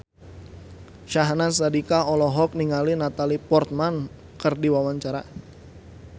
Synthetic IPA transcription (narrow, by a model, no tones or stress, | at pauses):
ʃaɦnas̬adikaɔlɔɦɔk̚niŋalinat̪alipɔrt̪̚man | kərdiwawaɲt͡ʃaɾa̰